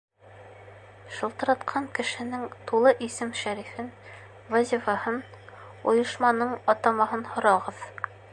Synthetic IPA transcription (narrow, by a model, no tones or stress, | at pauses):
ʃɤ̆lˠt̪ɤ̆ɾɑt̪qʰɑŋkɘ̆ʃɘ̆nɘŋt̪ulˠɤʔisɘmʃæɾifɘn | vɑzʲifɑhɤn | ṵjɤ̆ʃmɑnɤɴɒt̪ɑmɑɦɤnhŏɾɑʁɤð